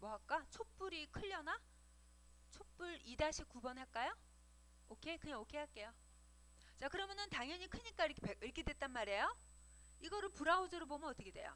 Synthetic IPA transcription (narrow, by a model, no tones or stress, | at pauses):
mʌɦak̚k͈at͡ɕʰop͈uɾikʰɯʎːʌna | t͡ɕʰop͈uɾidaɕʰikubʌnɦak͈ajo | okʰe̞kɯɲaokʰeɦak͈e̞jo | t͡ɕakɯɾʌmjʌnɯntaŋjʌɲikʰɯɲik͈aiɾʌkʰepeiɭkʰedwe̞t̚t͈anmaɾe̞jo | iɡʌɾɯɭpuɾaod͡ʑʌɾɯbomjʌnʌt͈ʌkʰedwe̞jo̰